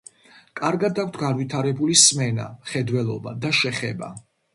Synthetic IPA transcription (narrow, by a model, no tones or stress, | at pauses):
kʼaɾɡad̪ak̚ʰʷt̪ʰɡanwit̪ʰaɾɛbulismɛna̰χɛd̪wɛlˠɔ̰ba̰d̪aʃɛχɛba̰